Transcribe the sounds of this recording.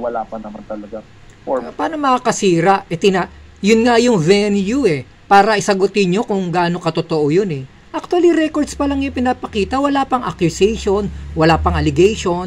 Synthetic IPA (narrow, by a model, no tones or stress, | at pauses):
wɐlaːpɐnɐmant̪ɐlɐɡa | paːnomɐakɐsiːɾɐʔʔɛt̪ɪna | jʊnŋajʊŋvɛnjuɛ | paːɾɐʔɪsɐɡʊt̪ɪɲo̞kʊŋɡaːno̞kɐt̪ot̪oʔojonɛ | ʔɐk̚t̪wɐliɾɛkoɹd̪spɐlaŋjʊpɪnaːpɐkiːt̪ɐwɐlaːpɐŋʔɐ̰kjʊsɛjʃo̞nwɐlaːpɐŋɐlɪɡejʃo̞n